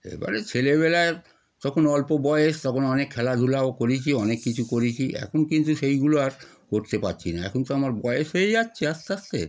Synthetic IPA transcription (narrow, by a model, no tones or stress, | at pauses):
ḛba̰ɾet͡ɕʰeleβɛlae | t̪ɔkʰonɔlpobɔeeʃt̪ɔkʰonɔnekʰːɛlad̪ʱulaokoɾit͡ɕʰiɔnekːit͡ɕʰukoɾit͡ɕʰiʔɛ̰kʰonkint̪uʃejɡuloaɾ | koɾt̪epatːt͡ɕʰinaɛ̰kʰont̪oamaɾbɔeeʃɦoeatːɕʰeast̪ast̪ḛ